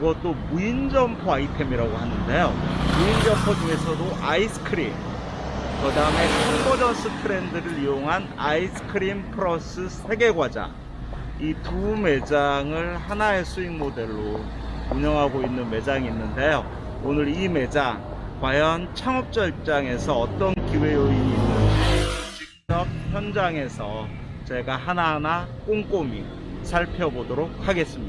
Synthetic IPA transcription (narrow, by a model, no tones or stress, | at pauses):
iɡʌt͈omuind͡ʑʌmpʰoaitʰemiɾaɡoɦanɯnde̞jomuind͡ʑʌmpʰod͡ʑue̞sʰʌdoʔaisʰɯ̥kʰɯɾḭm | kɯdaɯme̞kʰʌŋbod͡ʑʌnsʰɯtʰɯɾe̞ndɯɾɯɾijoŋɦanaisʰɯ̥kʰɯɾimpʰɯɾʌs͈ɯsʰe̞ɡe̞ɡwad͡ʑa̰ | itume̞d͡ʑaŋɯɭhanae̞sʰuiŋmode̞ɭːo | uɲʌŋɦaɡoinːɯnme̞d͡ʑaŋinːɯnde̞jo | onɯɾime̞d͡ʑaŋ | kwajʌnt͡ɕʰaŋʌp̚t͡ɕ͈ʌiɭp̚t͡ɕ͈aŋe̞sʰʌʌt͈ʌnkiwe̞joiɲiːnːɯnt͡ɕik̚t͡ɕ͈ʌp̚çjʌnd͡ʑaŋe̞sʰʌ | t͡ɕe̞ɡaɦananak͈oŋk͈omḭ | sʰaɭpʰjʌbodoɾok̚haɡe̞s͈ɯmɲia